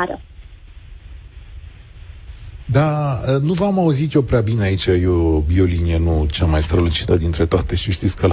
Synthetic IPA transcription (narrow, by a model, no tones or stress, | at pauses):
ɾə | d̪aənuvamauzit̪jo̞pɾeabineait͡ʃajobio̞linijenut͡ʃamajst̪ɾəlut͡ʃi̥t̪əd̪int̪ɾe̞t̪oat̪e̞ʃiʃt̪it̪sʲkə